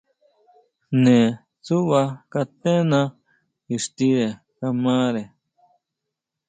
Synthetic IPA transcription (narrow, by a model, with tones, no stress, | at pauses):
nẽ˨ | t͡su˦βa˧ka˧t̪ẽ˦nã˧ | i˨ʂt̪i˧ɾe˨ | ka˧mã˦ɾe˨